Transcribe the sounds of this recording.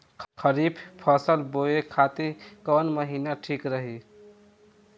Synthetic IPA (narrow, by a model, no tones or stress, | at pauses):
kʰəɾipʰpʰəsəlboekʰat̪ikənməɦinaʈʰikɾəɦi